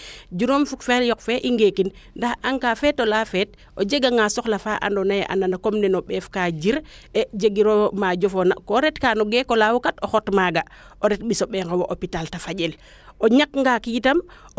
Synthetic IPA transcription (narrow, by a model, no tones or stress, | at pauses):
ɟuɾomfukfeljɔkfɛʔiŋɡekinndahaŋkafɛtolafɛːt̚ | ʔoɟeɡaŋɡasɔxlafaːʔa̰ndonajeʔa̰ndanakomnɛnoɓɛːfkaɟiɾ | ɛɟeɡiɾomaɟofona̰koɾɛtkanoɡekolawukatoxɔtmaɡa | oɾɛt̚ɓisoɓɛŋawoʔopitaltafaɟel | oɲakŋɡakitam